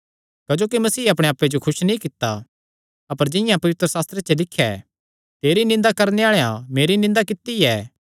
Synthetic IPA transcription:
kɐd͡ʒoːkimɐsiːɐp̬ɽ̃eaːpːed͡ʒokʰʊʃnĩkɪt̪ːa | ɐpəɾd͡ʒɪ̃jãpɐʋɪt̪ɾəsaːst̪ɾet͡ʃɐlɪkʰːjɛ̰ | t̪eːɾinɪ̃nd̪akɐɾneaːɭeã̰meːɾinɪ̃nd̪akɪt̪ːiɛː

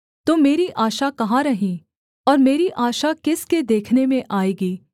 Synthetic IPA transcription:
t̪oːmeːɾiʔaːʃakɐɦaɾɐɦĩ | ɔːɾmeːɾiʔaːʃakɪsked̪eːkʰnemẽʔaːiːɡiː

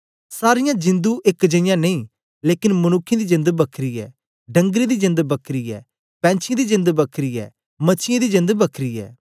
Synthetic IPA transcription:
saːɾɪjãːd͡ʒɪ̃nd̪uʔekd͡ʒɐɪjãːneĩː | leːkɪnmɐnʊkʰːẽd̪id͡ʒɪ̃nd̪bəkʰɾiːɛ̰ː | ɖɐ̃ŋɡɾid̪id͡ʒɪ̃nd̪bəkʰɾiːɛ̰ː | pɛ̃ːnt͡ʃʰɪãd̪id͡ʒɪ̃nd̪bəkʰɾiːɛ̰ː | mɐt͡ʃʰɪjãd̪id͡ʒɪ̃nd̪bəkʰɾiːɛ̰ː

